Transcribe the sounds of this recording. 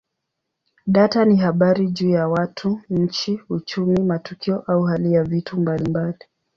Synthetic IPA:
ɗataniɦaɓaɾiʄuːjawatʰuɲ̩t͡ʃiut͡ʃumimatukiɔʔauɦalijavitʰumbalimbali

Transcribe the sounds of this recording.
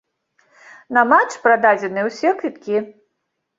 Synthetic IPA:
nɐmat͡ʂpɾad̪ad͡zʲɛnɨɛwsʲɛkɾʲit̪kʲi

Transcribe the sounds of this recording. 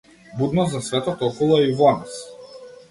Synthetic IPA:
bud̪nɔzasvɛt̪ɔt̪ɔkɔlˠɔivɔnas

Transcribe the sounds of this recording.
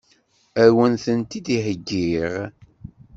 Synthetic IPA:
æwənθənt̪id̪iħəɡːiʁ

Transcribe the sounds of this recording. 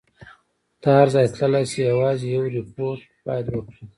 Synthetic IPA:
d̪̥ɑhaɾzɑjt̪ləlajsejawɑzejawɾipoɾʈ | pɑjlwəkɽi

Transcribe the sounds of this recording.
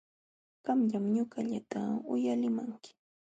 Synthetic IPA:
ɢamʎamɲʊɢaʎat̪aʊjalɪmaŋkɪ̥

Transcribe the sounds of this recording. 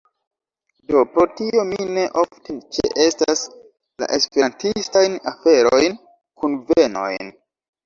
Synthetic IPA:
do̞pɾo̞tio̞mine̞ʔoftet͡ʃḛʔe̞stas | la̰ʔe̞spe̞ɾantistajnafe̞ɾo̞jn | kunve̞no̞̰jn

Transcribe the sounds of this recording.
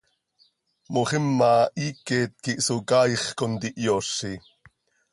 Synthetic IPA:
moχɪmːɑʔiːkɛt̪̚kiʔsukɑjχkont̪iʔjoːɬi

